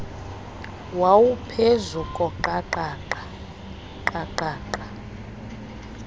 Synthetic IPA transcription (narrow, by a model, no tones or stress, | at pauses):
wawupʰezukʼɔǃaǃaːǃa | ǃaǃaːǃa